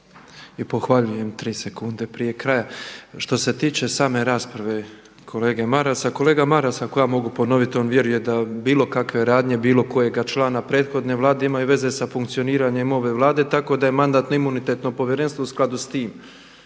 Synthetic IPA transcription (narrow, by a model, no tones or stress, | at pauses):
ipo̞xʋaʎuje̞mt̪ɾiːse̞kund̪e̞pɾijekɾajaʃt̪o̞se̞t̪iːt͡ʃe̞saːme̞ɾaːspɾaʋe̞ | kʰo̞le̞ːɡe̞maɾasako̞le̞ːɡamaɾasakojaːmo̞ɡupo̞no̞ʋit̪io̞ːnʋje̞ɾuje̞d̪abiːlˠo̞kakʋe̞ɾaːd̪ɲe̞biːlˠo̞ko̞je̞ɡat͡ʃlˠaːnapɾe̞ːd̪xo̞d̪ne̞ʋlˠaːd̪e̞imajuʋe̞ze̞safuŋkt̪sio̞niːɾaɲe̞mo̞ʋe̞ʋlˠaːd̪e̞t̪ako̞d̪ajemand̪aːt̪noimunit̪e̞t̪no̞po̞ʋje̞ɾenst̪ʋo̞usklˠad̪ust̪iːm